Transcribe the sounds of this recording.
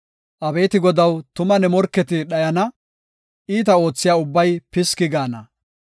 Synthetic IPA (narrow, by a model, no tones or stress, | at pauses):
ʔɐbe̞ːt̪ɪɡɔd̪ɐwt̪ʊmɐnɛmɔɾkːɛt̪ɪɗɐjɐnɐ | ʔiːt̪ɐo̞ːt͡sːɪjaːʊbːɐjpɪskɪɡaːnɐ